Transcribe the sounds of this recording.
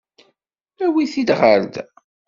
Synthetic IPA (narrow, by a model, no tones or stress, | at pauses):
æwiθid̪ʁəɾd̪